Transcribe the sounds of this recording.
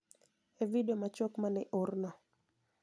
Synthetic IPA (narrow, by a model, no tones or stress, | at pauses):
evidomat͡ʃɔkmanɪʔʊrna